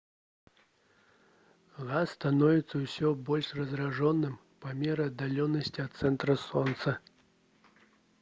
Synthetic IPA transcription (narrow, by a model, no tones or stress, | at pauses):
ɣasːt̪anɔvʲit̪sːɐwsʲɔbɔlʲʂrɐzraʐɔnːɨm | pɐmʲɛɾɨɐd̪ːalʲɔnːɐsʲt͡sʲiɐt̪t̪sɛnt̪ɾɐsɔnt̪sɐ